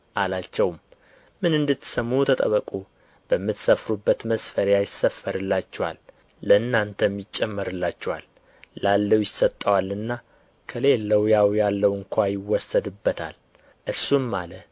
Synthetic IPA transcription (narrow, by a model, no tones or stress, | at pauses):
ʔalat͡ʃːɛwm | mɨnɨnd̪ɨt̪ːsəmːut̪ʰət̪ʼə̰βəkʼu | b̥əmːɨt̪səfɾubːət̪məsfəɾjajɪsːəfːəɾɨlːat͡ʃːɛwa̰lː | əɨnːant̪ʰəmjɪt͡ʃʼːɛmːəɾɨlːat͡ʃːɛwa̰lː | alːəwjɪsːət̪ʼːəwalɨnːa | kʰəle̞lːəwjawjalːəwɨŋkʰʷajɪwːɔsːəd̪ɨbːət̪ʰa̰l | ʔɨɾsumːalə